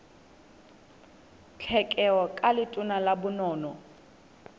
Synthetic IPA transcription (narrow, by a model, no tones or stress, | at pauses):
t͡ɬʰɛkʼɛɔkʼalɪtʼʊnalabʊnɔːnɔ